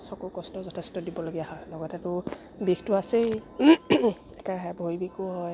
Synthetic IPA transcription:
sɔkukɔstɔzɔtʰestɔdibɔloɡijaɦɔjlɔɡɔtɛtʊ | bixtʊase | ɛkaɹɦɛbʱojbikʊɦɔj

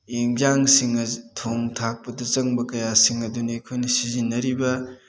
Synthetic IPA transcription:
eŋd͡ʒaŋsiŋɐtʰoŋtʰak̚pɐdɐt͡ʃɐŋbɐkɐjasiŋɐdunɐekʰojnɐsizinːɐɾibɐ

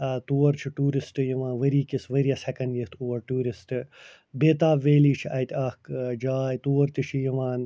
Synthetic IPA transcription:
t̪uːɐɾt͡ʃʰiʈuːɾisʈɨjiʋãːnʋɐɾiːkisʋɐɾijɐsɛkɐnɖjit̪ʰuʋɐɾʈuːɾisʈɨ | beːt̪aːbʋeːliːt͡ʃʰiʔɐjt̪ʲɐkd͡ʒaːjt̪uːɐɾt̪it͡ʃʰijɐʋãːn

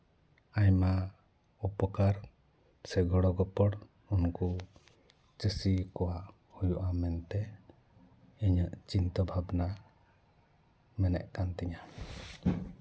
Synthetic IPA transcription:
ajma | upɔkaɾ | sɛɡɔɽɔɡɔpɔɽ | unku | t͡ʃəsikɔwaʔ | hujuʔamɛnt̪ɛ | iɲəʔt͡ʃint̪ɔbʱabna | mɛnɛ̰ʔkant̪ɛɲa

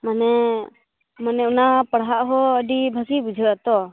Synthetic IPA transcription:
manɛ | manɛunapəɽɦaʔɦɔəɖibʱəkibud͡ʒʱəat̪ɔ

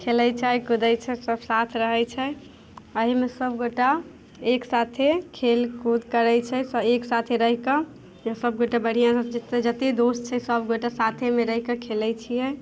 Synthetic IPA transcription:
kʰelɛt͡ʃʰaɦikud̪ɛt͡ʃʰɛsəbsat̪ʰɾəɦɛt͡ʃʰɛ | əɦimesəbɡoʈa | eksat̪ʰekʰelkud̪kəɾɛt͡ʃʰɛsəeksat̪ʰeɾəɦikə | jəsəbɡoʈabəɽ̤ijãd͡ʒt̪ed͡ʒət̪ed̪ost͡ʃʰɛsəbɡoʈasat̪ʰemeɾəɦikəkʰelɛt͡ʃʰijɛ

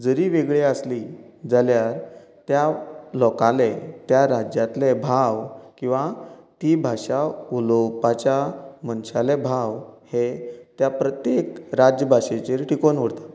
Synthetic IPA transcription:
d͡zəɾiʋeɡɭeəsli | d͡zaljaɾ | t̪jalɔkalet̪jaɾad͡ʑjat̪lebʱawkĩw̃ʋat̪ibʱaʂaulopat͡ɕjamənɕalebʱawhet̪japɾət̪jekɾad͡ʑjəbʱaʂet͡ɕeɾʈikonəɽt̪ḁ

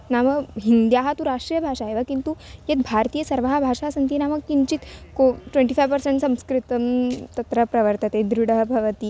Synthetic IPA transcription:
naməɦind̪jaɦat̪ũɾaʂʈɾijəbʱaʂaɦeʋakint̪ujet̪̚bʱaɾt̪iːjəsəɾʋaɦabʱaʂasənt̪inaməɡkiɲt͡ɕit̪koʈʋeɳʈifajʋpəɾseɳʈsɐ̃m̃skɾit̪əmt̪ɐt̪ɾəpɾɐʋəɾt̪ət̪ed̪ɾuɽəɦbʱɐʋət̪i

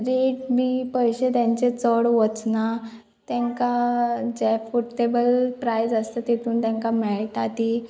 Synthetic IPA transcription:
ɾeʈ̚biːpəjɕet̪jãɲt͡ɕet͡səɽʋət͡sna | t̪jɛ̃ŋkad͡ʑɛfuʈʈebəlpɾajd͡zəst̪at̪et̪uːnt̪jãŋkamɛɭʈat̪i

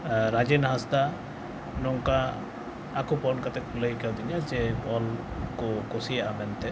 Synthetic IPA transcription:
ɾad͡ʒenɦast̪a | nɔŋkaː | kupɔnkat̪ɛkʰuləjkawd̪iɲad͡ʒɛbɔlkokosijaʔamɛnt̪ɛ

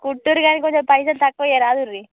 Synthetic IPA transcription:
kuʈːuɾɡaːnikoɲt͡ʃempɐjs̬ɐlt̪ɐkːʋojeɾaːd̪uɾːi

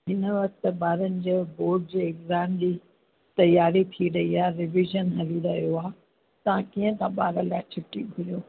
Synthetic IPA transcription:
ɦɪnʋɐk̚t̪ɓaːɾənɪ̆d͡ʑeːboːɖ̚d͡ʑeːɪkzaːmd͡ʑiː | t̪ɐjaːɾit̪ʰiɾɐiaːɾɪʋɪʒənɦɐliɾɐɦijoaː | t̪ɐʋãkiːə̃t̪ãɓaːɾəlaːt͡ɕʰʊʈːibʱʊlijoː

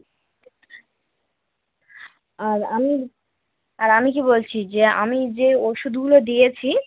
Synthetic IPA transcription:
aɾami | aɾamik̬ibolt͡ɕʰid͡ʑea̰mid͡ʑeoʃud̪ʱɡulod̪ijet͡ɕʰi

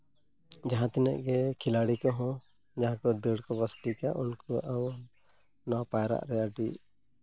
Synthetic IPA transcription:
d͡ʒaɦãt̪ɛnɛ̰ʔɡɛkʰilaɽikɔɦɔ̃ | d͡ʒaɦãkɔd̪əɽkɔbəsʈikaʔunkɔʔaw | napajɾa̰ʔɾɛjaɖiʔ

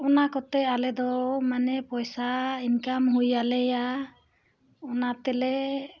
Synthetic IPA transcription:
ɔnakɔt̪ɛalɛd̪ɔmanɛpɔjsainkamhujalɛja | ɔnat̪ɛlɛ

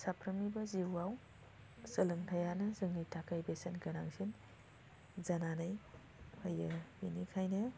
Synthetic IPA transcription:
sapʰɾɐmibɐziwaw | sɯlɯŋtʰɐjanɐzɯŋnitʰakajbesenɡɐnaŋsin | zananaj | hɐjɐinikʰajnɐ

